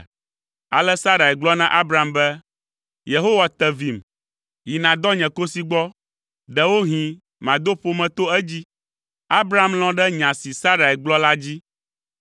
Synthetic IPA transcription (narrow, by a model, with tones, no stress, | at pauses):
a̰˨lɛ˦sa˦ɾa˨ɛ˨ɡ͡blɔ˦nã˦ʔa˦bɾa˨mbɛ˦ | je˨ɦo˦wa˨t̪ɛ˨vi˨m | ji˨nã˨d̪ɔ˦ɲɛ̃˨ko˦si˦ɡ͡bɔ˦ | ɖɛ˨wo˦ɦĩ˨ | mã˨d̪o˦ɸo˦mɛ̃˨t̪o˦ɛ˦d͡ʑi˦ | a˦bɾa˨˦˨ml̃ɔ̃˦ɖɛ˦ɲã˨si˨sa˦ɾa˨ɛ˨ɡ͡blɔ˦la˦d͡ʑi˦